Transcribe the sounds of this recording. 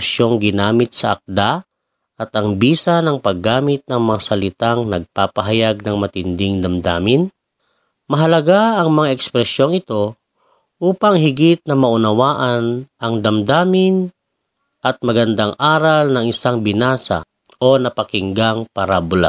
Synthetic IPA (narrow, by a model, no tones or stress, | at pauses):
ʃjo̞ŋɡɪnaːmɪt̪̚sɐʔɐ̰k̚d̪a | ʔɐt̪ɐŋbiːsanɐŋpɐɡːaːmɪt̪̚nɐŋmɐŋasɐlɪt̪aŋnɐɡ̚paːpɐɦɐjaɡ̚nɐŋmɐt̪ɪnd̪ɪŋd̪ɐmd̪a̰ːmɪn | mɐɦɐlɐɡaɐŋmɐŋaɛkspɾɛsjo̞ŋɪt̪o̞ | ʔuːpɐŋɦɪɡɪt̪̚nɐmɐʔʊnɐwaːʔɐnʔɐŋd̪ɐmd̪aːmɪn | ʔɐt̪̚mɐɡɐnd̪aŋʔaːɾɐlnɐŋɪsaŋbɪnaːsa̰ | ʔo̞nɐpɐkɪŋɡaŋpɐɾaːbʊla̰